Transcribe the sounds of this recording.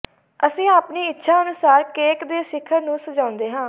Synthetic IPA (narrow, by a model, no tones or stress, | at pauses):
əsĩːaːpniːɪtːʃʰaːənʊsaːɾkeːkd̪eːsɪkʰəɾnũːsəd͡ʒãːʊ̃nd̪eːɦãː